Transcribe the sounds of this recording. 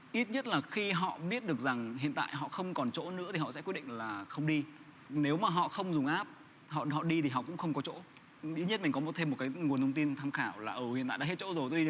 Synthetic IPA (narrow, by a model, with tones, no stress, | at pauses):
ʔi˦˥t̚ɲə˦˥t̚laː˨˩xi˧ɦɔ̰˧˨ɓi˦˥ət̚ɗɨ˨˩ək̚za˨˩ŋɦḭ˧˨ənt̪a̰ː˧˨jɦɔ̰˧˨xə˧wŋ͡mkɔ˨˩nt͡ɕo̰˧˥nɨ̰˧˥ət̪i˨˩hɔ̰˧˨sɛ̰˧˥kwəɗḭ˧˨ŋ̟laː˨˩xə˧wŋ͡mɗi˧ | ne˨˦wmaː˨˩ɦɔ̰˧˨xə˧wŋ͡mzʊ˨˩ŋ͡mʔaː˦˥p̚ | hɔ̰˧˨hɔ̰˧˨ɗi˧t̪ʰi˨˩ɦɔ̰˧˨kʊ̰˧˥ŋ͡mxə˧wŋ͡mkɔ˨˦t͡ɕo̰˧˥ | ʔi˦˥t̚ɲə˦˥mi˨˩ŋ̟kɔ˨˦mo˨˩t̪ʰe˧mː˨˩t̚kaː˨˦jŋ˨˩ənt̪ʰwŋ͡mt̪i˧nt̪ʰaː˧mxaː˧˩wlaː˨˩ʔə˨˧˩hḭ˨na̰ː˧˨˧a̰ː˧˦˥t̚t͡ɕo̰˧˥zo˨˩jt̪̬i˧